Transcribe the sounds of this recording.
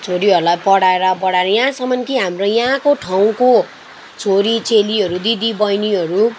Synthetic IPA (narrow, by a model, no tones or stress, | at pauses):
t͡sʰoɾiɦʌɾulajpʌɽaeɾʌpʌɽaeɾʌjasʌmʌnkiɦamrojakoʈʰaw̃ko | t͡sʰoɾit͡seliɦʌɾud̪id̪ibʌjniɦʌɾu